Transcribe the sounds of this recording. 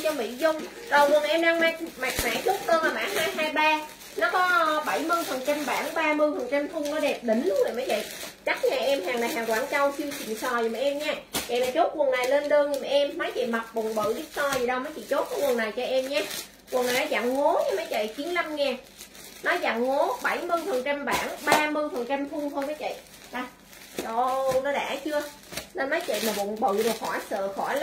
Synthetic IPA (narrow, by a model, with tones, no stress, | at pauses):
t͡ɕɔ˧mḭ˧˥zʊ˧ŋ͡m | zɔː˨˩jkwə˨˩ənʔɛ˧mɗaː˧ŋma˧˩k̚maː˨˩k̚ma̰ː˧˥t͡ɕo˦˥t̚ɗəː˧naː˨˩ma̰ː˧˥ɦaː˧jɦaː˧jɓaː˧ | nɔ˨˦kɔ˨˦˨ɓə˧˩jmɨ˧jfə˨˩nt͡ɕa˧mɓaː˧˩ŋɓaː˧mɨ˧əjfə˨˩nt͡ɕa˧mt̪ʰʊ˧ŋ͡mnɔ˨˦ɗɛ˨˩p̚ɗï˧˩ŋ̟lʊ˨˦ŋ͡mzə̰˧˨jma˨˦jvə̰˧˨jt͡ɕa˦˥k̚ɲaː˨˩ʔɛ˧mhaː˨˩ŋlaː˨˩jhaː˨˩ŋkwaː˧˩nt͡ɕa˧wt͡ɕɨ˧ət͡ɕḭ˧˨nsɔ˨˩jmaː˨˩ʔɛ˧mɲaː˧və̰˧˨jlaː˨˩t͡ɕo˦˥t̚kwə˨˩na˨˩jle˧nɗəː˧ŋɨ˧˩ma˨˩ʔɛ˧mma˨˦jt͡ɕə̰˧˨jma˨˩t̚ɓʊ˨˩ŋɓɨ̰˧˨ɗi˦˥ət̚sɔ˧zi˨˩ɗə˧wmə˨˦jt͡ɕḭ˧˨t͡ɕo˦˥t̚kɔ˨˦kwə˨˩na˨˩jt͡ɕɔ˧ʔɛ˧mɲaː˧ | kwə˨˩nːa˨˩jnɔ˨˦za̰ː˧˨ŋŋo˨˦ɲa˧˦maː˨˦jt͡ɕə̰˧˨jt͡ɕi˨˦ənla˧mŋɛː˧ | nɔ˨˦za̰ː˧˨ŋŋo˨˦ɓə˧˩jmɨ˧nfə˨˩nt͡ɕa˧mɓaː˧˩ŋɓaː˧mɨ˧nfə˨˩nt͡ɕa˧mt̪ʰu˧ŋt̪ʰoː˧jmaː˨˦jt͡ɕə̰˧˨j | ɗa˨˧˩ | ɗo˧nɔ˨˦ɗa̰ː˧˩t͡ɕɨ˧ə | ne˧nmaː˨˦jt͡ɕə̰˧˨jmaː˨˩ɓo̰˧˨˩ŋɓɨ̰˧˨ɗɨ˨˩k̚xɔ˧˩jsə̰ː˧˨xɔ˧˩jl